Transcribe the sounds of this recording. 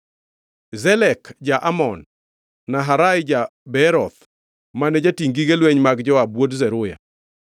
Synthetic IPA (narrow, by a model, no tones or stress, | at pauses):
zɛlɛkd͡ʒaʔamɔnː | aɦaɾajd͡ʒabɛɾɔt̪ | manɛd͡ʒatiŋɡiɡelweɲmaɡd͡ʒɔwabwodzɛɾʊja̰